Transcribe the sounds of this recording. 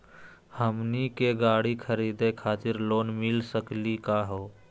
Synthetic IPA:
həmnikeɡaːɽikʰəɾiːd̪ekʰaːt̪ɪɾloːnmɪlsəklikaːɦoː

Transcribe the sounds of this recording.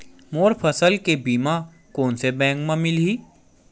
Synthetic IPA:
moːɾpʰəsəlkebiːma | koːnsebɛ̃ːŋkmãmɪlɦiː

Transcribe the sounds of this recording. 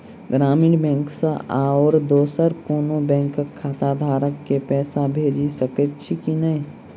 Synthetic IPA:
ɡɾaːmiːɽbɛ̃ːŋksaʔaoːɾd̪oːsəɾkoːnobɛ̃ːŋkkʰːaːt̪ad̪ʱaːɾəkːepɛːsabʱeːd͡ʒisəkət̪t͡ʃʰikinəĩ

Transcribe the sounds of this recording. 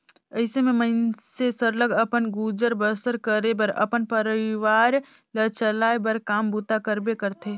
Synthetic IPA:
əɪsememəɪnsesəɾləɡəpənɡud͡ʒəɾbəsəɾkəɾebəɾə̰pənpəɾiʋaɾ | lət͡ʃəlaebəɾkambut̪akəɾbekəɾt̪ʰe

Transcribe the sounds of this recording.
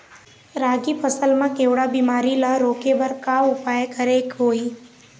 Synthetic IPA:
ɾaːɡipʰəsəlmãkeːwɽabiːmaːɾilaɾoːkebəɾkaʊpaːjkəɾekɦoːiː

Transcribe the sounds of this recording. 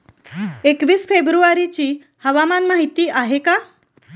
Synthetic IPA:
ekʋiːsfʰebɾuaɾit͡ɕi | həʋamanmaɦit̪iːʔaɦeka

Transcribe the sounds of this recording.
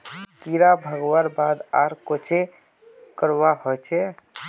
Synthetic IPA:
kiɾabʱəɡwaɾbad̪a̰ɾkot͡ʃʰe | kəɾwaɦot͡ʃʰɛ

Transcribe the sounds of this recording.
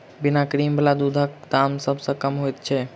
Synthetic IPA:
binakɾimbəlad̪ud̪ʱək̚d̪amsəbʱsə̃kəmɦojt̪̚t͡ʃʰɛ

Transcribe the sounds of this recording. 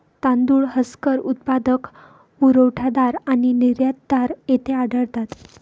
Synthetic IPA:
t̪ãnd̪uɭɦəskəɾut̪̚pad̪ək | uɾəwʈʰad̪aɾaniniɾjat̪̚d̪aɾet̪ʰeaɖəɭt̪at̪

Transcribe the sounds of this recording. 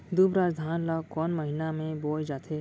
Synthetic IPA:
d̪ubɾaːd͡ʒd̪ʱaːnlakɔːnməɦɪnamẽboːjd͡ʒaːt̪ʰeː

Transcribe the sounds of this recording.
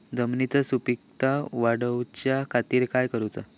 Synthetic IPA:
d̪ʱəmnit͡səsupik̚t̪aʋaɽəwt͡ɕjakʰat̪iːɾkajkəɾut͡sa

